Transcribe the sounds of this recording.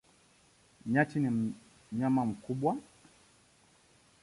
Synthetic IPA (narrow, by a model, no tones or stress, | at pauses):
ɲatinim̩ | ɲamam̩kuɓwa